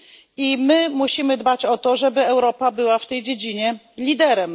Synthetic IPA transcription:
imɘmuɕimɘd̪bat͡ɕɔt̪ɔʐɛbɘɛwɾɔpabɘwaft̪ɛjd͡ʑed͡ʑiɲɛ | lʲid̪ɛɾɛm

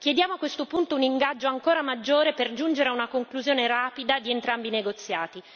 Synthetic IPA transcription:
kjed̪jaːmoakːwest̪opunt̪ouniŋɡad͡ʒːoaŋkoːɾamad͡ʒːoːɾeperd͡ʒund͡ʒeɾeaunakoŋkluzjoːneɾaːpid̪ad̪ient̪ɾambineɡot̪sːjaːt̪i

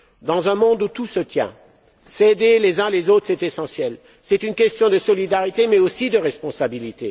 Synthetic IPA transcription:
d̪ɑ̃zɛ̃mɔ̃d̪ut̪usət̪jɛ̰̃ | sed̪elezɛ̃lezot̪χsɛt̪esɑ̃sjɛl | sɛt̪ynkʲɛst̪jɔ̃d̪əsɔlid̪aʁit̪emɛosid̪əʁɛspɔ̃sabilit̪e

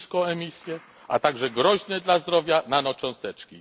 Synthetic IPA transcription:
skɔ̃ɛmʲisʲjɛ | ʔa̰t̪aɡʐɛɡɾɔʑnɛd̪lazd̪ɾɔvʲjananɔt͡ʂɔ̃w̃st̪ɛt͡ʂkʲḭ

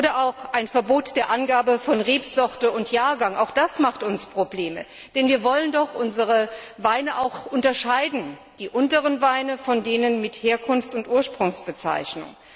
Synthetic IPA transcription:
ʔoːdɐʔaʊxʔaɪnfɛɐboːtd̥eːɐʔanɡaːbəfɔnʁeːpz̥ɔʁtəʊntjaːɐɡaŋa̰ʊxd̥asmaχtʊnspʁ̥obleːmə̰ | d̥ɛnviːɐvɔləndɔχʔʊnzəʁ̞əvaɪnəʔaʊxʔʊntɐʃaɪdn̩ | d̥iːʔʊntəʁənvaɪnəfɔndeːnənmɪtheːɐkʰʊnft͡sʊntʔuːɐʃpʁ̥ʊŋsb̥ət͡sa̰ɪçnʊ̰ŋ

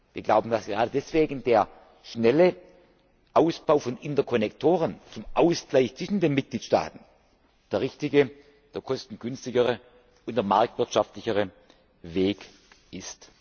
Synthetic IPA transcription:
viːɐɡlaʊbn̩d̥asɡ̥əʁaːdədɛsv̥eːɡn̩deːɐ | ʃnɛlə | ʔaʊsb̥aʊfɔnʔɪntɐkʰɔnɛktʰoːʁ̞ənt͡sʊmʔaʊsɡ̥laɪçt͡sv̥ɪʃn̩deːnmɪt̚ɡ̥liːtʃta̰ːtn̩ | d̥eːɐʁɪçtɪɡə | d̥eːɐkʰɔstn̩ɡʏnstɪɡəʁə | ʊntd̥eɐmaɐk̚tv̥ɪɐtʃaftlɪçəʁə | veːk | ʔɪst

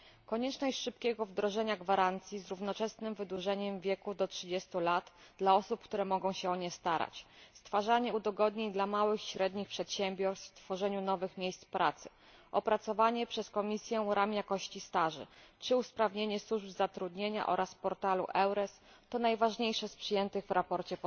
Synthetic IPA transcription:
kɔɲɛt͡ʂnɔɕt͡ɕʂɘpkʲɛɡɔvd̪ɾɔʐɛɲaɡvaɾant̪sʲjizɾuvnɔt͡ʂɛsnɘmvɘd̪wuʐɛɲɛmvʲjɛkud̪ɔtʂɘd͡ʑest̪ulat̪d̪laɔsupkt̪uɾɛmɔɡɔ̃w̃ɕɛɔɲɛst̪aɾa̰t͡ɕst̪faʐaɲɛud̪ɔɡɔd̪ɲeɲd̪lamawɘxɕɾɛd̪ɲixpʂɛt̪ɕɛmbʲjɔɾst̪ft̪fɔʐɛɲunɔvɘxmʲjejst̪spɾat̪sɘ̥ | ʔɔpɾat̪sɔvaɲɛpʂɛskɔmʲisʲjɛɾamjakɔɕt͡ɕist̪aʐɘ̰t͡ʂɘuspɾavɲeɲɛswuʐbzat̪ɾud̪ɲeɲa̰ʔɔɾʔaspɔɾt̪alṵʔɛwɾɛs | t̪ɔnajvaʐɲejʂɛspʂɘjɛnt̪ɘɣvɾapɔɾt͡ɕɛpɔ

